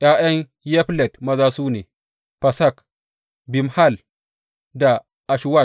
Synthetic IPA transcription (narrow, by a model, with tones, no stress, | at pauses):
ʔj̰aː˦j̰ɐ˦ɲ | jɛ˦ɸlɛ˨tmɐ˦zaː˦suː˦nḛː˨ | ɸɐ˨sa˦˨k | bi˨mha˦˨l | da˨ | ʔa˨ʃwa˦˨